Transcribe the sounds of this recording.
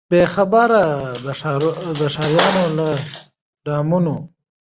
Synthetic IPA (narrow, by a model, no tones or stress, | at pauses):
b̥exabəɾad̪əʂɑɾd̪əʂɑɾjɑnola | ɖɑmuno